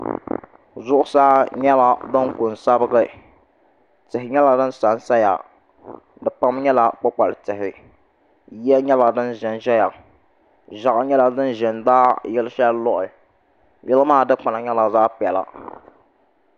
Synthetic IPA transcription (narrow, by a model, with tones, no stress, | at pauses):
zʊ˦ʔʊ˦sa˦ɲɛ˦la˨do˦ŋkʊ˨n˨sa˦bɨ˦ɡɨ˦ | tɨ˨ɦɪ˨ɲɛ˦la˨dɨ˦nsa˨nsa˦ja̰˨ | dɨ˨pa˦mɲɛ˦la˨k͡pa˦k͡pa˨ltɨ˨ɦɪ˨ | jɛ˦ɲɛ˦la˨dɨ˦nʒɪ˨nʒɛ˦ja˨ | ʒa˨ʔa˨˦ɲɛ˦la˨dɨ˦nʒɪ˨ndaː˦jɪ˦lɨ˦ʃa˦lɔ˦ʔʊ˨ | jɛ˦lɨ˦maː˦˨dɨ˦k͡pa˨na˨ɲɛ˦la˨zaː˦pɛ˨la̰˨